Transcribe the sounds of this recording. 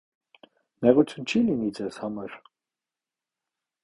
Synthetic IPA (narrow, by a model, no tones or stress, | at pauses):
mɛʁut͡sʰjunt͡ʃʰilinid͡zɛz̥hɑmɑɾ